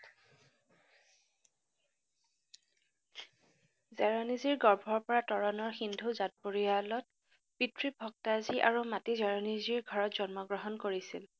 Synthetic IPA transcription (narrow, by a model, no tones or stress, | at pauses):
zɛɹɔniziɹɡɔɹbʱɔɹpɔɹatɔɹɔnɔɹxindʱuzat̚poɹialɔt̚ | pitɹibʱɔktaziʔaɹumatizɛɹɔniziɹɡʱɔɹɔtzɔnmɔɡɹɔɦɔnkoɹisil